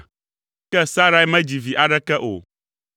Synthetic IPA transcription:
kɛ˦sa˦ɾa˦jmɛ̃˦d͡ʑi˨vi˨ʔa˨ɖɛ˦kɛ˦ʔo̰˨

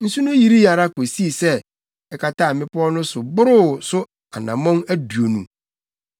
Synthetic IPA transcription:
n̩˦su˦nʊ̃˦ji˦ɾi˦a˨ɾa˦ko˨si˦˨sɛ˦ | ɛ˨kʰa˨ta˦˨mɪ̃˦pʊ˦ɔ˦nʊ̃˦sʊ˨bʊ˦ɾʊ˦sʊ˦ | a̰˨nã˨mɔ̃˦næ˦du˨o˨nũ˨

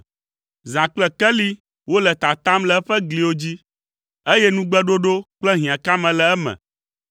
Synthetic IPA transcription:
zã˨k͡plɛ˨kɛ˦li˦ | wo˦lɛ˨t̪a˨t̪a˦mlɛ˦ɸɛ˦ɡli˨wo˦d͡ʑi˦ | e˦jɛ˦nũ˦ɡ͡bɛ˦ɖo˦ɖo˦k͡plɛ˦ɦĩ˨ã˨ka˦mɛ̃˨lɛ˨ɛ˦mɛ̰̃˨

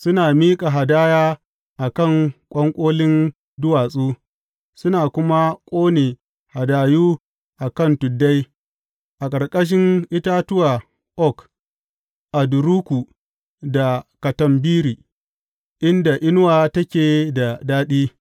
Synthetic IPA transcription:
sʊ˦naː˨miː˦kʼa˨ɦa˨daː˦jaː˦ | ʔa˨kɐ˦˨ŋkʷʼɐ˦ŋkʷʼoː˦lɪ˦n | dʊ˦waː˨sʼuː˦ | sʊ˦naː˨kʷʊ˦ma˦kʷʼoː˦neː˨ | ha˨daː˨juː˦ | ʔa˨kɐ˦˨ntʊ˨dːa˦j | ʔa˨kʼɐ˨rkʼɐ˦ʃ̬ɪ˦ŋʔɪ˦ta˦tʊ˦wa˨ | ʔɔ˦˨k | ʔa˨dʊ˨ɾuː˦kʷu˨ | da˨kɐ˨tɐ˦˨mbiː˦ɾiː˨ | ʔɪ˦nda˨ʔɪ˦n˦waː˨tɐ˦kʲeː˨da˨daː˦ɗiː˦

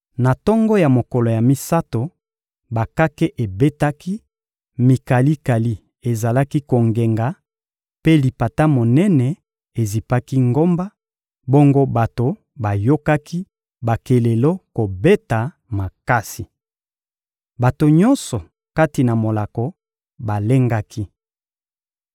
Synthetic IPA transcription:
na˨tɔ˦ŋɡɔ˦ja˨mo˨kɔ˨lo˨ja˨mi˦sa˦to˨ | ba˨ka˦ke˦ʔe˨be˦ta˦ki˦ | mi˨ka˨li˦ka˨li˦ | e˨za˨la˦ki˦ko˨ŋɡe˨ŋɡa˨ | pe˦li˨pa˨ta˦mo˨nɛ˦nɛ˨ | e˨zi˨pa˦ki˦ŋɡo˦mba˦ | bo˦ŋɡo˦ba˨to˨ | ba˨jo˦ka˦ki˦ | ba˨ke˨le˨lo˦ko˨be˦ta˨ | ma˨ka˦si˨ | ba˨to˨ɲɔ̃˦nsɔ˨ | ka˦ti˨na˨mo˨la˨kɔ˨ | ba˨le˦ŋɡa˦kʰi˦

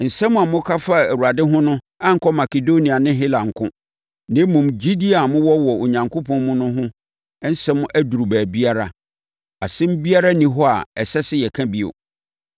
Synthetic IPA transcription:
n̩˨sɛ˦mʊ̃˦a˨mʊ̃˦kʰa˦fa˦˨æ˨wu˨a˨dɪ˦ɦʊ̃˦nʊ̃˦ | ã˦ŋ̩˨kɔ˦ma˨ke˨do˦nĩ˨a˨nɪ̃˦ɦɪ˦lã˨ŋ̩˨kʰʊ̃˦ | nɪ̃˦mũ˨md͡ʑi˦di˦a˨mʊ̃˦wɔ˦wɔ˨o˨ɲã˨ŋkʰo˦pʰɔ̃˦n˦mʊ̃˦nʊ̃˦ɦʊ̃˦ | n̩˦sɛ˦mʊ̃˦ʔæ˦du˨ɾu˨bæː˨bi˦a˦ɾa˦ | a˨sɪ̃˦m̩˦bi˦a˦ɾa˦nĩ˦ɦɔ˦a̰˨ɛ˨sɛ˦sɪ˦jɛ˨kʰã˦bi˦o̰˨

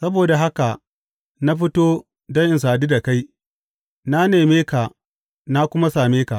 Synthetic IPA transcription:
sɐ˦boː˨da˨ɦa˦ka˨ | na˦ɸ̬ɪ˦toː˦ | dɐ˦ŋʔɪ˨ns̬aː˨niː˦da˨ka˦j | na˦neː˨meː˦ka˨ | na˦kʷʊ˦ma˦saː˨meː˦ka˨ʔ

